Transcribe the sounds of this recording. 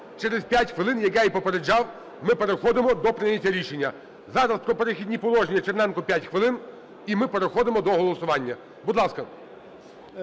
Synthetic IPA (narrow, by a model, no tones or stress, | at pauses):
t͡ʃɛɾezpʲjatʲxʋɪlˠɪnjɐkɛipɔpeɾed͡ʒɑw | mɪpe̞ɾexɔd̪emɔd̪ɔpɾɪnʲɐtʲːɐɾʲiʃenʲːɐ | zɑɾɐspɾɔpe̞ɾɪxʲidʲnʲipɔlˠɔʒnʲiɐt͡ʃeɾnɛnkʊpʲjatʲxʋɪlˠɪn | imɪpe̞ɾexɔd̪emɔd̪ɔɦɔlˠɔsʊʋɑnʲːɐ | bud̪lˠɑskɐ